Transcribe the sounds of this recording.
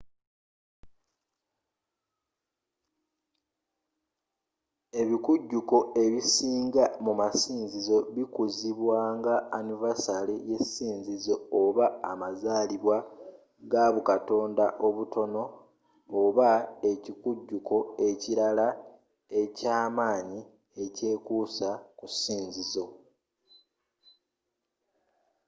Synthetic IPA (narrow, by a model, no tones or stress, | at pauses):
e̞βikuɟːuko̞ʔe̞βisiːŋɡamumasiːnzizo̞βikuziβwaːŋɡaːnivasalije̞siːnzizooβaːmazaːliβwa | ɡaːβukato̞ːndaʔo̞βuto̞no̞ː | βae̞cikuɟːuko̞e̞ciɾala | e̞caːmaːɲi | e̞ce̞ːkusakusiːnzizo̞